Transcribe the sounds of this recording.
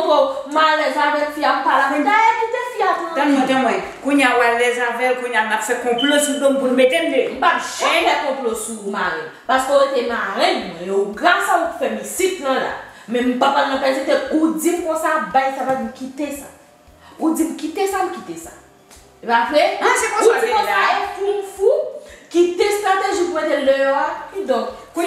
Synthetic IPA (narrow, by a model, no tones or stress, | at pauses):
t̪omalɛzavɛlfiam̩palãd̪ajɛmut̪efiatãtmɛ̃ | kũɲawallɛzavɛlkũɲjamnapfɛkɔ̃plosudõmpunmet̪em̩dem̩papʒɛ̃bɛkɔ̃plosumaɣɛ̃ | paskoɣetenaɣɛ̃nmwɛ̃joɡʁasaufɛmisit̪nãla̰mɛ̃m̩papalãpɛzẽt̪eud͡zim̩kɔ̃sabajsapadim̩kit̪esa | ud͡zim̩kit̪esam̩kit̪esa | ipafɛɛkɔ̃uimɔ̃ajepum̩fukit̪est̪ʁat̪eʒipuɣet̪elœjoad̪ɔ̃kku